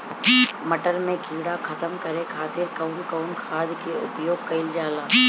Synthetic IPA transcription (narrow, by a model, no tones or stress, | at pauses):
mɐʈəɾmẽkiːɽakʰɐt̪əmkɐɾekʰaːt̪ɪɾkɐʊnkɐʊnkʰaːd̪keʊpjoːɡ̚kɐɪld͡ʒaːlaː